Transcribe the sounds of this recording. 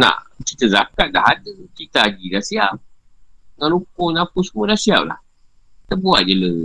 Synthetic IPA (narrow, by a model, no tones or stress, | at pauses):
na̰t͡ʃitəza̰kadahadət͡ʃitad͡ʒidasia | ŋanukonakusumodasia̰la̰ | təbua̰d͡ʒələ